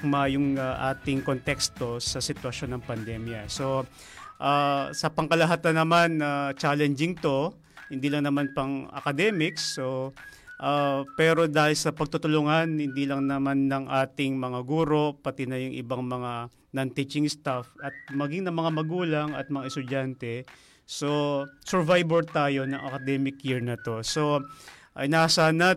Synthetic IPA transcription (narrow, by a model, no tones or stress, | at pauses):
kmajʊŋaʔa̰ːt̪ɪŋko̞nt̪ɛkst̪o̞sɐsɪt̪wɐʃo̞nːɐŋpɐnd̪ɛmjɐso̞ | ʔasɐpɐŋkɐlɐɦaːt̪ɐnːɐmanat͡ʃaːlɛnd͡ʒɪŋt̪o̞ | hɪnd̪iːlɐŋnɐmanpɐŋʔɐ̰kɐd̪ɛmɪksːo | ʔapɛːɾo̞d̪aːhɪlsɐpɐɡ̚t̪ʊt̪ʊlʊŋanhɪnd̪iːlɐŋnɐmanːɐŋʔaːt̪ɪŋmɐŋaɡuːɾo̞pɐt̪ɪnɐjʊŋʔɪ̰baŋmɐŋa | nɐnt̪it͡ʃɪŋst̪afʔɐt̪̚mɐɡiŋnɐŋmɐŋamɐɡuːlɐŋɐ̰t̪̚mɐŋaʔɛst̪ʊd͡ʒant̪ɛ | so̞sɛɹvajbɛɹt̪aːjo̞nɐŋʔɐ̰kɐd̪ɛːmɪkjiɹnɐt̪o̞so̞ʔɐjnasana